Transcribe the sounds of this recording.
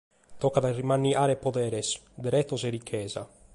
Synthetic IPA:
t̪okːad̪arimanːiʔaːɾepod̪ɛːɾes | d̪eɾɛt̪ːoserikʰːɛːza̰

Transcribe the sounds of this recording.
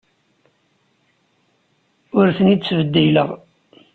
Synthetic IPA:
ʊɾθənid̪svəd̪ːiləʁ

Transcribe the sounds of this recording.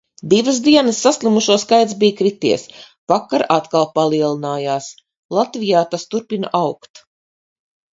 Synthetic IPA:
d̪ivəsd̪iɛnəsːaslʲˠimuʃuɔskajt̪sbijkɾit̪ḭɛs | vakaɾat̪kalˠpalˠiɛlˠinaːjaːs | lˠat̪vijaːt̪ast̪uɾpina̰ʔawkt̪

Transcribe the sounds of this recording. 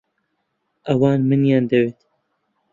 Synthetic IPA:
ʔɐwɑːnmɨnjɑːnd̪ɐweːt̪

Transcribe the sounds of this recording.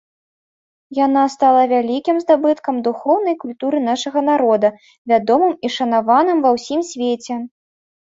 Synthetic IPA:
janast̪alˠɐvʲalʲikʲimzd̪abɨt̪kɐmd̪uxɔwnɐjkulʲt̪uɾɨn̪aʂɐɣɐnaɾɔd̪ɐ | vʲad̪ɔmɨmiʂɐnavanɨmvɐwsʲimsʲvʲet͡sʲɛ

